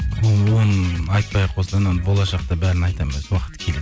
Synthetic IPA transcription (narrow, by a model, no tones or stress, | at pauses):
oonɑjt̪̚pɑjqʰwosld̪ˠɑnanbo̞lˠɑʃɑq̚t̪ɑbæɾɪnɑjt̪ɑmeswɑqət̪ːə̥kʲʰele̞d̪